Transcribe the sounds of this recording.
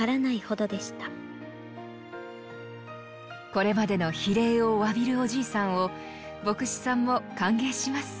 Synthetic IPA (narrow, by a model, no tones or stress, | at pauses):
aɾanaiho̞d̪o̞d̪e̞ɕi̥t̪ḁ | ko̞ɾe̞mad̪e̞no̞çiɾe̞ːo̞βabʲiɾɯ̟o̞ʑiːsãɰ̃o̞ | bo̞kɯ̟ɕi̥sãmːo̞kãŋɡe̞ːɕimasɨ̥